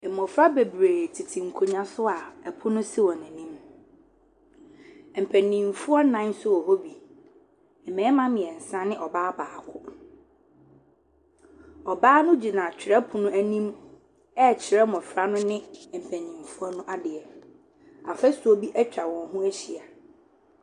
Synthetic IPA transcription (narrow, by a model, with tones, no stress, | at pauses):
ɛ˨mɔ̃˨fɾa˦be˨bɾeː˨tʰi˨tʰĩ˨ŋ̩˨kʰo˨ɲã˦sʊ˦a˨ɛ˨pʰʊ˦nʊ̃˦sɪ˦wɔ˨næ̃˨nĩ˦m˨ | m̩˨pʰæ˨nĩ˨mfu˦ɔ˦nã˦nsʊ˦wɔ˨ho˦bi˨ | ɛ˨mɛ̃ː˨˦mã˦mɪ̃˨ɛ˨n̩˨sã˦nɪ̃˦ʔɔ˨baː˦baː˨kʰʊ˦ | ɔ˨baː˦nʊ̃˦d͡ʑi˨nã˨t͡ɕʰᶣɪ˨ɾɛ˦pʰʊ˨nʊ̃˦æ˦nĩ˦m | ɛ˦˨t͡ɕʰɪ˨ɾɛ˦mɔ̃˨fɾa˦nʊ̃˦nɪ̃˦˨m̩˨pʰæ˨nĩ˨mfu˦ɔ˦nʊ̃˦ʔa˦dɪ˨ɛ˨ | a̰˨fɛ˦sʊ˨o˦bi˦ʔɛ˦t͡ɕᶣa˨wɔ̃˨nɦʊ̃˦æ˦ɕi˨a˨